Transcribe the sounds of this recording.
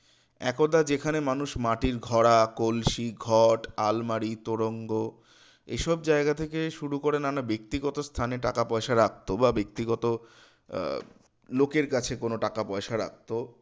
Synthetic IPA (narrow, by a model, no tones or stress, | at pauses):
ɛ̰kod̪ad͡ʑekʰanemanuʃmaʈiɾɡʱɔɽakolʃiɡʱɔʈalmaɾit̪oɾoŋɡo | ḛʃɔbd͡ʑaeɡat̪ʰekeʃuɾukoɾenanabek̚t̪iɡɔt̪ost̪ʰaneʈakapɔeʃaɾak̚t̪obabek̚t̪iɡɔt̪o | lokeɾkat͡ɕʰekonoʈakapɔeʃaɾa̰k̚t̪o